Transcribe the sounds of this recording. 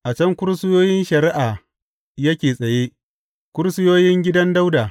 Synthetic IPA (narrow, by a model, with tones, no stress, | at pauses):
ʔa˨t͡ʃɐ˦ŋkʷʊ˦ɾsɪ˦joː˦jɪ˦nʃɐ˨ɾɪ˦ʔaː˨ | jɐ˦kʲeː˨sʼɐ˨je˦ | kʷʊ˦ɾsɪ˦joː˦jɪ˦ŋɡʲɪ˦dɐ˦nda˦wdaː˨